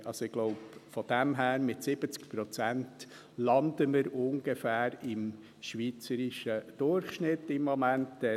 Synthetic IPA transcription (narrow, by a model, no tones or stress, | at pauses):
ʔɑlsoɪɡ̥lɔʊpfɔd̥̪æmɦæːɾmɪtsɪb̥ət͡skpɾɔt͡sænt | lɑnd̪əməɾʊŋɡefæːɾɪm | ʃʋiːt͡səɾiʃəd̪̥ʊrχʃnɪtːɪmːɔmæntɛ